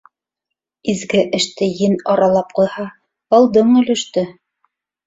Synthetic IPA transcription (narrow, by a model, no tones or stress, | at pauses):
izɡɘʔɘ̆ʃt̪ɘjɘnɑɾɑlˠɑp̚qujhɑ | ɑlˠd̪ɤɴɵ̆lɵ̆ʃt̪ɘ